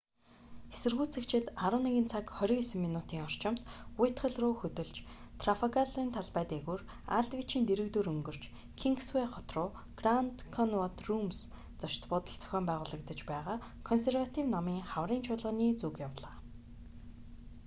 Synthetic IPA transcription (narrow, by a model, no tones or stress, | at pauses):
esɘ̆rɣuːt͡sʰɘ̆kt͡ɕʰɪ̆t̪aɾə̆wneɣɘ̆nt͡sʰakχɔɾʲĭŋesɘ̆mːinut̪iːŋɔr̥t͡ɕɪ̆m̥t̪ujɪt̪χə̆ɮrʊːxɵt̪ɵ̆ɮt͡ɕt̪ʰrafɔkaɮiːnt̪ʰaɮpæːt̪eɣuːr | a̰ɮt̪wit͡ɕiːnt̪eɾɘ̆kt̪uːɾɵŋɡɵ̆r̥t͡ɕ | kʰiŋksweχɔt̪rʊː | ɡrant̪kʰɔnwɔt̪rums | t͡sɔʃt̪pʊt̪ə̆ɬt͡sœ̥xʲœːmpæːʁʊːɮə̆kt̪ə̆t͡ɕpæːʁaː | kʰɔnserwat̪ʰiwnɔmiːŋχawriːnt͡ɕʰʊːɮə̆niːt͡sukjawɮaː